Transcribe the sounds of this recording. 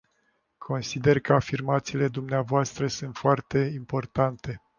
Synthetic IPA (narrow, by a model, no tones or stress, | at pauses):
kʰo̞nsid̪e̞rkəafirmat̪siːle̞d̪umneavoast̪ɾəsunt̪foart̪e̞impo̞rt̪ant̪e̞